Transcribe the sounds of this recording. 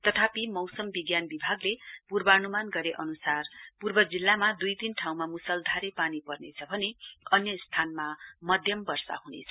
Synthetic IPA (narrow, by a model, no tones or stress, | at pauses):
t̪ʌt̪ʰapimʌwsʌmbiɡjanbibʱaɡlepurbʌʌnumanɡʌɾeʔʌnusarpurbʌd͡zilːamad̪ujt̪inʈʰaw̃mamusʌld̪ʱaɾepanipʌrnet͡sʰʌbʱʌneʌnjʌst̪ʰanmamʌd̪ʱjʌmbʌrsa̰hunḛt͡sʰʌ